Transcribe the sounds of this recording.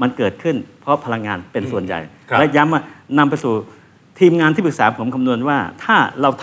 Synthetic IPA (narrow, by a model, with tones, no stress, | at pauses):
ma˧nkɤː˨˩t̪̚kʰɯ˥˩npʰɔ˦˥pʰa˧la˧ŋːaː˧npe˧nsu˨˩ənja̰˨˩j | lɛ˦˥ja˦˥mːaː˥˩na˧mpa˧jsuː˨˩ | t̪ʰiː˧mŋaː˧nt̪ʰiː˥˩pʰɯ˨˩k̚saː˩˦pʰo˩˦mkʰa˧mnu˧ənwaː˥˩t̪ʰaː˥˩ɾa˧wt̪ʰ